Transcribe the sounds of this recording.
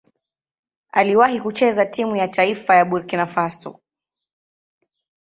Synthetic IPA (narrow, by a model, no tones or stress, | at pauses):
aliwahikut͡ʃɛzatimujatʰaifajaɓuɾkinafasɔ̰